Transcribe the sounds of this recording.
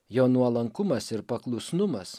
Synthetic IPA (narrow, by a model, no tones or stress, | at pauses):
joːnuɔlˠɐŋkʊmɐsɪɾpɐklˠʊsnʊmɐs